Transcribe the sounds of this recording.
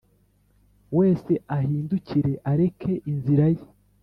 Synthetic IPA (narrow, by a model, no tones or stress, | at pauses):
we̞ːse̞ahiːnduciɾe̞ʔaɾe̞kʰe̞ʔinziɾaje